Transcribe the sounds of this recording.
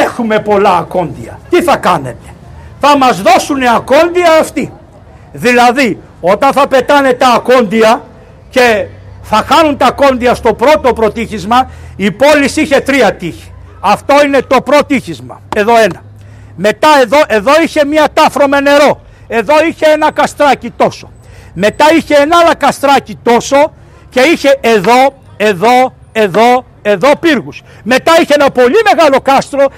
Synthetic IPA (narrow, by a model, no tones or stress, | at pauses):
exume̞po̞lɐːko̞nd̪iɐ̰t̪iθɐkɐne̞̰t̪e̥ | θɐmɐzðo̞suniɐko̞nd̪iɐːft̪i | ðilɐði | o̞t̪ɐnθɐpe̞t̪ɐne̞t̪ɐːko̞nd̪iɐ | ce̞θɐxɐnunt̪ɐko̞nd̪iɐst̪o̞pɾo̞t̪o̞pɾo̞t̪içizmɐipo̞lisiçe̞t̪ɾiɐt̪içi̥ | ɐft̪o̞ine̞t̪o̞pɾo̞t̪içizmɐe̞ðo̞e̞nɐ | me̞t̪ɐeðo̞ʔe̞ðo̞içe̞mɲɐt̪ɐfɾo̞mene̞ɾo̞ | e̞ðo̞içe̞enɐkɐst̪ɾɐcit̪o̞so̥ | me̞t̪ɐiçe̞enɐlɐkɐst̪ɾɐcit̪o̞so̞ | ce̞içe̞ʔeðo̞ | e̞ðo̞ | e̞ðo̞ | e̞ðo̞piɾɣus | me̞t̪ɐiçeenɐpo̞lime̞ɣɐlo̞kɐst̪ɾo̞